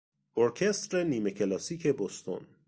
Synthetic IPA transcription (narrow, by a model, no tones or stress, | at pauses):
oɾcʲʰest̪ɾeniːmecʲʰelɒːsiːcʰebost̪ʰo̰n